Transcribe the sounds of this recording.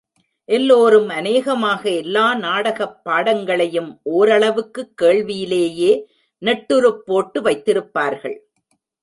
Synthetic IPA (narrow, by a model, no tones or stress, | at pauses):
ʔɛlːoːɾɯmɐneːɣɐmaːɣɐɛlːaːnaːɽɐɣɐpːaːɽɐŋɡɐɭɐjɯmʔoːɾɐɭɐʋɯkːɯkːeːɭʋɪjɪleːjeː | nɛʈːɯɾɯpːoːʈːɯʋɐɪt̪ːɪɾɯpːaːɾɣɐ̰ɭ